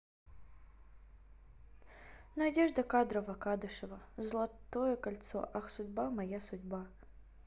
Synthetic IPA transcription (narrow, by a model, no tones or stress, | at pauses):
nɐdʲɛʐd̪ɐkad̪ɾɐʋɐkɑd̪ɪʃɪʋɐzlˠɐt̪ɔjɛkɐlʲt̪sɔ̰ʔɐxsʊdʲbamɐjasʊdʲba